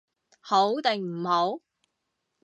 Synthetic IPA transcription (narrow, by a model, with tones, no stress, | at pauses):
ho˨˥wt̪ɛ˨ŋm̩˨˩ho˨˥w